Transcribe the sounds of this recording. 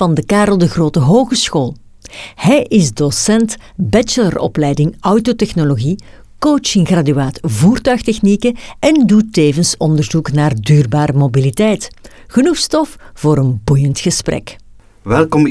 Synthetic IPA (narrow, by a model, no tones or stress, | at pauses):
ɑndəkaːɾəlˠdəɣroːtəɦoːɣəsxoːlˠ | hɛjʔɪzdosɛntbɛt͡ʃələrɔ̰plɛjdɪŋɔwtotɛxnoloɣi | kowt͡ʃɪŋɣradyaːtvuːrtœɥxtɛxnikəɛndutːeːvənsɔndərzuknaːrdyːrbaːɾəmobilitɛjt | ɣənuxstɔfv̥oːɾənbujəntxəsprɛ̰k | ʋɛlˠkɔm